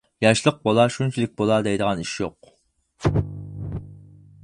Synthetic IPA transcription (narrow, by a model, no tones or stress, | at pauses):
jɑʃlˠəq̚bolˠɑʃunt͡ʃʰilɪk̚ʲbolˠɑd̪ɛjd̪əʁɑniʃjoq̚